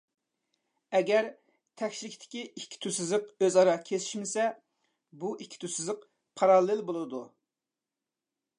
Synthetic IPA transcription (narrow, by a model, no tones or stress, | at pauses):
ɛɡʲɛɾ | t̪ʰɛkʲʃilɪkʲt̪ʰɪ̥kʲiikʲʰːi̥t̪ʰysɪzɨqøzɑɾɑkʲʰesi̥ʃmɪsɛ | buʔikʲʰːi̥t̪ʰysɨzəq | pʰɑɾɑlˠɪlbolˠɨd̪u